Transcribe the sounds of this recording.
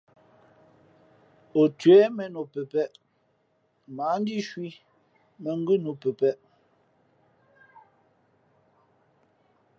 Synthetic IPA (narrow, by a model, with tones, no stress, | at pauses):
o˨tɥɛ˨˦mɛ˨no˨pɛ˨pɛ˦ʔ | maː˨˦n˦di˦˨ʃwi˦ | mɛ˨ŋ̩˦ɡʉ˦no˨pɛ˨pɛ˦ʔ